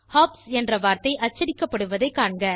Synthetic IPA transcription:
haːpsɛndrɐʋaːɾt̪ɐɪʔɐt͡ʃːɐɽɪkːɐpːɐɽɯʋɐðɐɪkːaːɳɡɐ

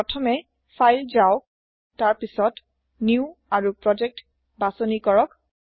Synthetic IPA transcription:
ɔtʰɔmɛ | fʰajlzaʊ | taɹpisɔt | niuaɹupɹɔd͡ʒɛk̚t | basɔnikɔɹɔk

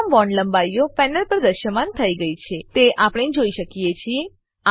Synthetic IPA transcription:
mʋɔnlə̃mbaijofɛnəlpəɾd̪əɾʃəmant̪ʰəiɡəit͡ʃʰet̪eʔapɽ̃ed͡ʒoiʃəkijet͡ʃʰie | a

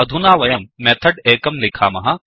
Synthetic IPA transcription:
ɐd̪ʱunaːʋɐjɐmːɛːt̪ʰəɖeːkɐmlɪkʰaːmɐɦãː

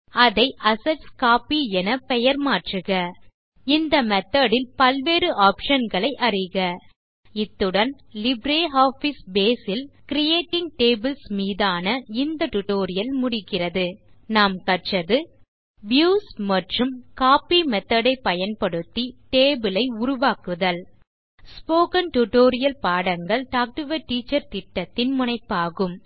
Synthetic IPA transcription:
ɐðɐɪʔɐsɐʈskaːpiɛnɐpɛjɐɾmaːʈrɯɣɐ | ɪnd̪ɐmɛt̪ːɐɽɪlpɐlʋeːɾɯʔaːpʂɐnɡɐɭɐɪʔɐrɪɣɐ | ɪt̪ːɯɽɐn | lɪbɾeːɦaːfisbeːsɪlkɪɾɪjeːʈːɪŋɡ̚ʈeːbɪlsmiːðaːnɐɪnd̪ɐʈʊʈoːɾɪjɐlmʊɽɪkːɪrɐðɯ | naːmkɐʈt͡ʃrɐðɯ | ʋjuːsmɐʈrɯmkaːpimɛt̪ːɐɽɐɪpːɐjɐnpɐɽɯt̪ːiʈeːbɪlɐɪʊɾʊʋaːkɯðɐl | spoːkɐnʈʊʈoːɾɪjɐlpaːɽɐŋɡɐɭʈaːk̚ʈɯʋɐʈiːt͡ʃːɐɾt̪ɪʈːɐt̪ːɪnmʊnɐɪpːaːɣɯm

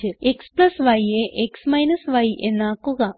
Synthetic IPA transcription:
eeksplɐsʋɐjeʔeksmɐjnɐsʋɐjḛnːakːuɡa

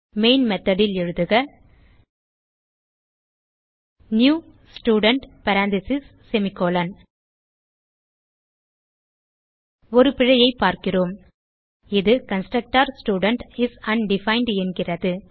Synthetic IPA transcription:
meɪnmɛt̪ːɐɽɪlɛɻɯðɯɣɐ | njuː | sʈjuːɖɐɳʈpɐɾaːnt̪ɪsɪsːɛmɪkːoːlɐn | ɔɾɯpɪɻɐjɐɪpːaːɾkɪroːm | ɪðɯkɐnsʈɾɐk̚ʈaːɾsʈjuːɽɐɳʈɪsɐnɖɪfɐɪɳɖɛnɡɪrɐðɯ

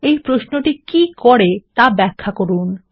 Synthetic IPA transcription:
ejpɾoʃnoʈikikɔɾet̪abɛkʰːakoɾun

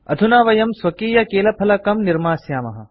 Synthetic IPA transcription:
ɐ̰d̪ʱunaːʋɐjɐmswɐkiːjɐkeːlɐpʰɐlɐkɐmniɾmaːsjaːmɐ̰ɦɐ̰

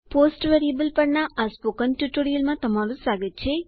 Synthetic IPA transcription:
poːsʈʋeɾijɐbɐlpɐɽnaʔaːspoːkɐnʈuʈːoɾijɐlmat̪ɐmːaːlusaːɡitːt͡ʃʰe

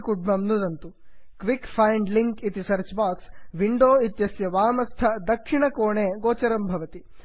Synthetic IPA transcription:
kuɖmɐmnud̪ɐnt̪u | kʋikpʰɐjɳɖliŋkit̪isɐɾt͡ʃbaːksʋiɳɖoːit̪jɐsjɐʋaːmɐst̪ʰɐd̪ɐkʂiɳɐkoːɳeːɡoːt͡ʃɐɾɐmbʱɐʋɐt̪i

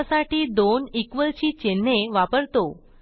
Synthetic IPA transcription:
saʈiːd̪onikʋəlt͡ɕiːt͡ɕenːeʋapəɾt̪o

